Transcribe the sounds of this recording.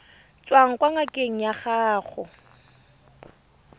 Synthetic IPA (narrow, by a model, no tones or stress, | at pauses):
t͡sʼwaŋ̩kʼwaŋakʼeŋ̩jaχaːχʊ